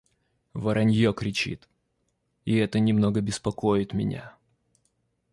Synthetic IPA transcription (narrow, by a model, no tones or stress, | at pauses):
vɐɾʔɐnʲjokɾʲɪt͡ɕḭt̪ | ɪɛt̪ənʲɪmno̞ɡəbʲɪspɐko̞jɪt̪mʲɪ̰nʲa̰